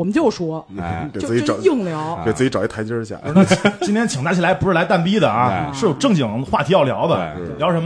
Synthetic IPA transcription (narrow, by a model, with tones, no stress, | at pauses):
ɔ˨˩mə˦nt͡ɕjo˥˩ʊʂwɔ˥˧ɛ˨˩˥i˧˥˨i˥˩ŋljɑ˧˥ʊɛ˨˩t͡s̩˥˩t͡ɕi˧˥ʈ͡ʂɑ˨˩ʊi˥tʰt͡ɕjə˥˧˥ɕja̰˥˩˨int̪ʰjɛ˥nt͡ɕʰi˨˩ŋt͡s̪a˧˥˩t͡ɕʰla˧˥ɪpu˧˥ʂɻ̩˥˩la˧˥ɪt̪a˥˩npi˥d̪ə˨ɐ˧ʂɻ̩˥˩jo˨˩ʊʈ͡ʂɤ˥˩ŋt͡ɕi˨˩ŋxwa̰˥˩t̪ʰi˧˥jɑ˥˩ʊljɑ˧˥ʊd̪ə˧˥˩ljʊ˥ʂə˧˥m